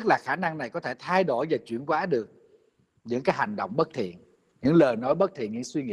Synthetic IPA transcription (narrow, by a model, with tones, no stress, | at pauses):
k̚laː˨˩xaː˧˩na˧ŋna˨˩jkɔ˨˦t̪ʰe˧˩t̪ʰa˧jɗo˧˩jvaː˨˩t͡ɕwḭ˧˨ənkwaː˨˦ɗɨ˨˩ək̚ | ɲɨ̰˧˥ŋkaː˨˦jha˨˩jŋ̟ɗo̰˧˨wŋ͡mɓə˦˥t̚t̪ʰḭ˧˨ən | ɲɨ̰˧˥ŋləː˨˩jnɔ˨˦jɓə˦˥t̚t̪ʰḭ˧˨ənɲɨ̰˧˥ŋswi˧ŋḭ˧˨